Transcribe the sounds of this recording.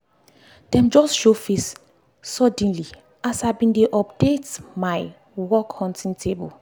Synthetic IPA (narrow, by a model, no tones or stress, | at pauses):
d̥ɛ̃md͡ʒɔstʃofes | sɔd̃nli | asabĩndeʔɔp̚detmaɪ | wɔkhɔ̃ntĩŋtʰebul